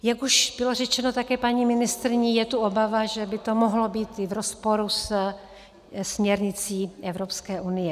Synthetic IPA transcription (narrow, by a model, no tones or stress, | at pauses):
jakuʃb̥ɪlo̞rɛt͡ʃɛnot̪akɛːpaɲiːmɪnɪst̪ɾɪɲijɛt̪uʔobavaʒɛbɪt̪o̞moɦlo̞biːt̪ɪvɾospo̞ɾus | smɲɛɾɲɪt͡siːʔɛvɾopskɛːʔunɪjɛ